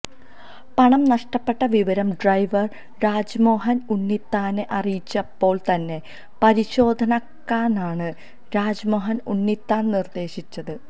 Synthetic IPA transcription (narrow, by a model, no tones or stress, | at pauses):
pɐɳɐmnɐʂʈɐpːe̞ʈːɐʋiʋɐɾɐmɖrɐjʋɐr | ɾaːd͡ʑmo̞ːɦɐnunːit̪ːaːneʔɐrijit͡ɕːɐpːo̞ːɭt̪ɐnːe̞ | pɐɾiɕo̞ːd̪ʱɐnɐkːaːnaːɳɨ | ɾaːd͡ʑɐmo̞ːɦɐnunːit̪ːaːnnird̪e̞ːɕit͡ɕːɐðɨ